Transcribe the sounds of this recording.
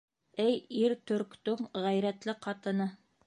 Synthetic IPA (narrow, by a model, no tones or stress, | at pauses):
ɘjiɾt̪ɵ̆ɾkt̪ɵŋʁæjɾæt̪lɘqɑt̪ɤ̆nɤ